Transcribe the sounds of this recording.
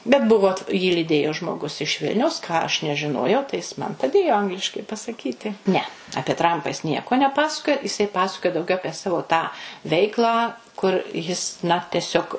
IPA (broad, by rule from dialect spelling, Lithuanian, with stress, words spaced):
bʲɛt ˈbʊʋoː jiː lʲiːˈdʲeːjoː ʒmoːˈɡʊs ɪʃ ˈʋʲɪlʲnʲɛʊs kɑː ɐʃ nʲɛʒʲɪˈnoːjɛʊ tɐɪ ˈjɪs ˈmɐn pɐˈdʲeːjoː ˈɐŋɡlʲɪʃkɐɪ pɐsɐˈkʲiːtʲɪ nʲɛ ɐpʲiɛ ˈtrɐmpɐ jɪs ˈnʲiɛkoː nʲɛˈpɑːsɐkoːjɛ jɪˈsɐɪ ˈpɑːsɐkoːjoː dɐʊˈɡʲɛʊ ˈɑːpʲiɛ ˈsɑːʋoː tɑː ˈʋʲɛɪklˠɑː kʊr ˈjɪs nɐ tʲɛˈsʲoːk